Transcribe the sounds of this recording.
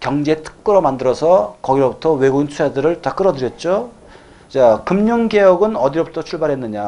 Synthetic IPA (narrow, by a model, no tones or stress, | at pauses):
kjʌŋd͡ʑe̞tʰɯ̥k̚k͈ɯɾomandɯɾʌsʰʌkʌɡiɾobutʰʌwe̞ɡuɡint͡ɕʰusʰadɯɾɯɭtak͈ɯɾʌdɯɾjʌt̚t͡ɕ͈o | t͡ɕakɯmɲuŋɡe̞jʌɡɯnʌdiɾobutʰʌt͡ɕʰuɭbaɾɦenːɯɲa